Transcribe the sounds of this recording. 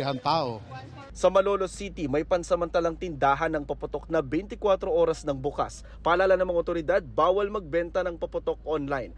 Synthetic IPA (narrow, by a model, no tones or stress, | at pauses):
ɦant̪aːʔo | sɐmɐlo̞ːlosit̪imɐjpɐnsɐmɐnt̪ɐlɐŋt̪ɪnd̪aːɦɐnːɐŋpɐpʊt̪o̞k̚nɐbɛjnt̪ɪkwat̪ɾo̞ʔo̞ːɾɐsnɐŋbʊka̰s | pɐʔɐlaːlɐnɐŋmɐŋaʔot̪oɾɪd̪ad̪̚baːwɐlmɐɡ̚bɛnt̪ɐnɐŋpɐpʊt̪o̞k̚ʔonlajn